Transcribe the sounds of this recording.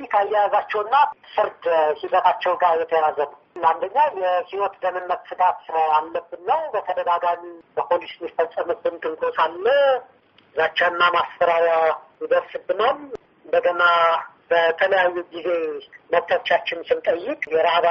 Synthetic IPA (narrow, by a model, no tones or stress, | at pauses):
ikʰajːɛjazat͡ʃːɛwnːafɨɾt̪ʰhibət̪ʰat͡ʃːɛwɡajɛt̪ʰjɛjazənəwand̪əɲːajɛhiwɔt̪d̪əmɨnːət̪sɨɡ̪at̪alːəbːɨnːəwbət̪ʰəd̪əɡaɡamibəpʰolismifəsʼːəmubɨnt̪ʼɨŋkʼosalːə | ɨzat͡ʃːɛɨnːamasfəɾaɾajid̪əɾsɨbːɨnom | bəɡənab̥ət̪ʰələjajːuɡize̞məbt̪ʰət͡ʃːat͡ʃːɪnsɨnt̪ʼəjːɪkʼjɛɾahβa